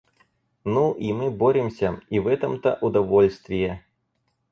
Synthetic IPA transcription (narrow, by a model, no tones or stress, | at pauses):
nuʔimɨbɔɾʲimsʲɐivɛt̪ɐmt̪ɐ̰ʔud̪avɔlʲst̪vʲijɛ